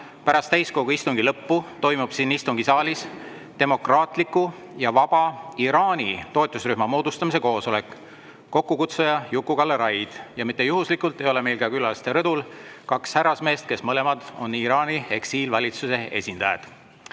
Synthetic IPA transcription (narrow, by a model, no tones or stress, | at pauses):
pæɾɑst̪æjsko̞ɡuist̪uŋɡilɤpːut̪o̞jmub̥sinːist̪uŋɡ̥isɑːlʲis | t̪e̞mo̞krɑːt̪ˑlikːˑu | jɑvɑb̥ɑiɾɑːnʲit̪o̞ːt̪ːˑusryhmɑmo̞ːd̪̥ust̪ɑmise̞ko̞ːso̞le̞kː | o̞kːukut̪sejɑjukːˑukɑlːeɾɑjd̪̥jɑmit̪ːˑejuɦuslikːˑult̪ːˑe̞jo̞le̞me̞jlkɑkylɑlst̪eɾɤd̪̥ulkɑkshæɾɑsme̞ːst̪̚ke̞smɤle̞mɑd̪̥o̞̰nːiɾɑːnʲie̞ksiːlvɑlʲit̪suse̞e̞sʲind̪̥ɑjḛd̪̥